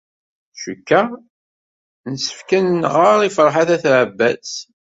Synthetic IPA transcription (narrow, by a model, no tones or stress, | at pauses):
ʃəkːæ | nəsə̥fkənːʁəɾˤifəɾˤħaθæθʕəbːæs